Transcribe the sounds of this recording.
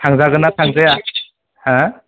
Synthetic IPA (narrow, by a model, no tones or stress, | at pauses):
tʰaŋzaɡɯnatʰaŋzaja | hã